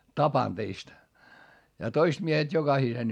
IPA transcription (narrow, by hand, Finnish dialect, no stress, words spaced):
tɑpɑn teist jɑ toist miehet jokɑhisen